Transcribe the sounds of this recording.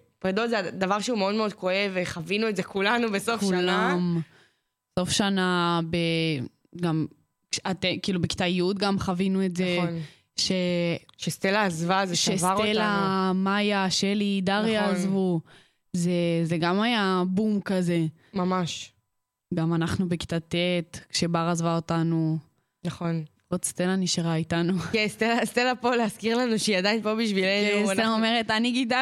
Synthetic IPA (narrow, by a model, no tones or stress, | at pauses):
pʁed̪otzead̪avaʁʃeumeo̞d̪meo̞d̪koeveχavinuetzekulanubesofkːullam | so̞fʃanabe | ɡam | kat̪ekiːlubeki̥t̪ajiut̪̚ɡamχavinuetzen | ʃe̞ʃest̪elaːzvazeʃevaʁtelamajaʃelid̪aʁjazvu | zeze̞ɡamajabumkaze̞ | mamaʃ | ɡamanaχnubeki̥t̪at̪etkʃe̞baʁazvaotanu | naχon | otst̪elaniʃaʁaitanukest̪elast̪elapoleaskiʁlanuʃad̪ainpobiʃvileneaomeʁetaniɡid̪a